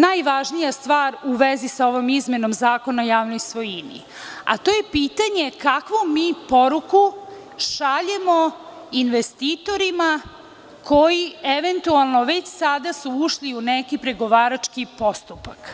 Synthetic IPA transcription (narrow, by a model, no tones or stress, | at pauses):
najʋaʒnijast̪ʋaːɾuʋezisao̞ʋomizmeno̞mzaːko̞naojaːʋnojsʋo̞jinḭ | a̰t̪o̞je̞piːt̪aɲe̞kakʋomiːpo̞ɾuku | ʃaʎemo | inʋest̪iːt̪o̞ɾima | kʰojieʋe̞nt̪ualˠno̞ʋe̞t͡ɕsad̪asuuʃliunekipɾeɡo̞ʋaːɾat͡ʂkipost̪upak